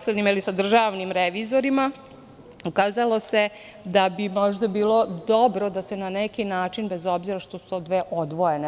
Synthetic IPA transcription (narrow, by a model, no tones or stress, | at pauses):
slenɲimilisad̪r̩ʒaːʋnimɾeʋiːzo̞ɾima | ukaːzalˠo̞se̞ | d̪abimo̞ʒd̪abiːlˠo̞d̪o̞bɾo̞d̪ase̞nanekinaːt͡ʃinbezo̞bziɾaʃt̪o̞su̥t̪od̪ʋeʔod̪ʋo̞ene